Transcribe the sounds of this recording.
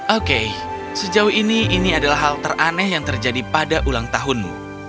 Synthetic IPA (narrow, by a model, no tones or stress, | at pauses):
ʔokej | səd͡ʒaʊhiniʔiniadalaɦːalt̪əranɛhjaŋt̪ərd͡ʒadipadaʔulaŋt̪aɦʊnmṵ